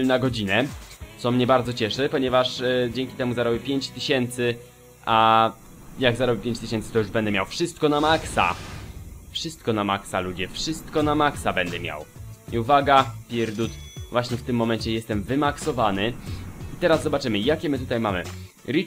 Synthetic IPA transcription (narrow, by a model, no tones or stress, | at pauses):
naɡɔd͡ʑinɛt̪sɔmɲɛbaɾd̪zɔt͡ɕɛʂɛpɔɲɛvaʂd͡ʑɛŋkʲi̥t̪ɛmuzaɾɔbʲjipʲjeɲt͡ɕt̪ɘɕɛnt̪sɘ | ʔa | jaɡzaɾɔbʲipʲeɲt͡ɕt̪ɘɕɛnt̪sɘ̥t̪ɔjuʐbɛnd̪ɛmʲjawfʂɘst̪̚kɔnamaksa̰ | fʂɘst̪̚kɔnamaksalud͡ʑɛfʂɘst̪kɔnamaksabɛnd̪ɛmʲja̰wiuvaɡapʲjɛɾd̪ut̪vwaɕɲɛft̪ɘmːɔmɛɲt͡ɕɛjɛst̪ɛmvɘmaksɔvanɘit̪ɛɾazzɔbat͡ʂɘmɘjakʲɛmɘt̪ut̪ajmamɘ̰ | ɾi